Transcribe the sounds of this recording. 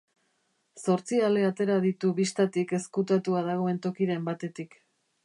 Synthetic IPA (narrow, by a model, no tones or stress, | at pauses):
so̞ɾt͡siale̞at̪e̞ɾaðit̪uβist̪at̪ike̞skut̪at̪uað̞aɣ̞o̞e̞nt̪o̞kiɾe̞mbat̪e̞t̪ik